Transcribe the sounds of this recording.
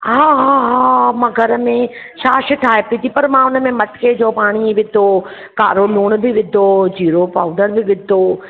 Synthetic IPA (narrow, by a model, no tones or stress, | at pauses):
ɦaːɦaɦamãːɡʱɐɾəmẽ | ʃaːʃʈʰaːɦepit̪ʰipɐɾmãʊnəmẽmɐʈked͡ʑoːpaːɽ̃iʋɪd̪ʱoː | ka̰ːɾoluːɽ̃bʱɪʋɪd̪ʱoːd͡ʑiːɾopaːʊɖəɾbɪʋɪd̪ʱoː